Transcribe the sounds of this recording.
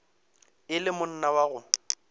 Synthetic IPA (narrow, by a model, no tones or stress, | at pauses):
ɪlɪmʊn̩nawaɣʊ